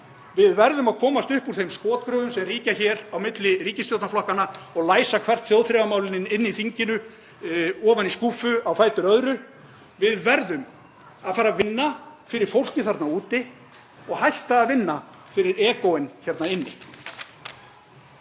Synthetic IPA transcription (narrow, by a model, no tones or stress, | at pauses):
vɪðvɛɾðʏmaðkʰɔːmast̪ʏhpuɾ̥θejmskɔːt̪̚kɾœːvʏmsɛmriːcaçɛːɾawmɪt̪lɪriːcɪst̪jowt̪naflɔhkanːaɔɣlaːjsakʰvɛr̥t̪θjowðθɾɛvamaːwlɪnɪnɪnːɪiθiɲcɪnʏ | ɔːvaniskuːfʏawfaːjt̪ʏɾœðɾʏ | vɪðvɛɾðʏm | aðfaːɾavɪnːafɪɾɪɾ̥fowl̥cɪθaɾt̪nauːt̪ɪ | ɔɣhajht̪aːðvɪnːa | fɪɾɪɾɛːkowɪnçɛɾt̪naɪnːɪ̰